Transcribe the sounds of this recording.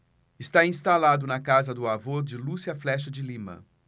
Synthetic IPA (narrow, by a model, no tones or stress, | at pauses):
ɪst̪aĩst̪alad̪ʊnɐkazɐd̪ʊavod͡ʒɪlusiɐflɛʃ̬ɐd͡ʒɪlimɐ̰̃